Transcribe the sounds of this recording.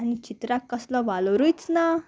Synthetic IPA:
anit͡ɕit̪ɾakːəslɔʋaloɾujt͡sna

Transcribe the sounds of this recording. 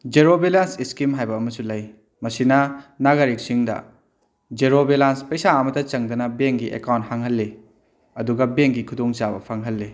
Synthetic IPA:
d͡ʒeɾobelansiskimɦajbɐːmɐsulɐj | mɐsinɐnaɡɐɾik̚siŋdɐ̰ | d͡ʒeɾobelanspɐjsaɐmɐtɐt͡ʃɐŋdɐnɐbeŋɡiʔḛkawnt̚haŋɦɐlːe | ɐduɡɐbeŋɡikʰudoŋt͡ʃabɐ̰pʰɐŋɦɐlːi

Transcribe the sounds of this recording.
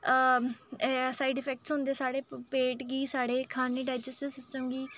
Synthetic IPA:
saːiɖɪpʰɛːk̚ʈsɦʊ̃nd̪eːsaːɽeːpeːʈɡiːsaːɽeːkʰaːniːɖaːɪd͡ʒəsʈɪsɪsʈəmɡiː

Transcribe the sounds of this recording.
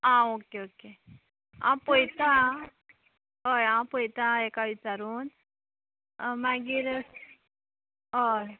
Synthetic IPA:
ãokeoke | ã̰pojt̪a | ɦəjãpəjt̪aekaʋit͡saɾuːn | maɡiːɾ | ɦəj

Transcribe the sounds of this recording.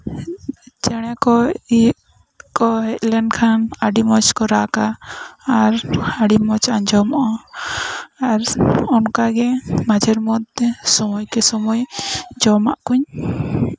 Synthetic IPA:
d͡ʒɛɽ̃ɛkɔiʔ | kɔɦɛt̪̚lɛɳɖkʰanaɖimɔt͡ʃkɔɾakaː | ɾaɽimɔt͡ʃaɲd͡ʒɔmɔʔɔ | aɾɔnkaɡɛmad͡ʒɛɾmɔd̪ɛsɔmɔjkɛsɔmɔjd͡ʒɔma̰ʔkuɲ

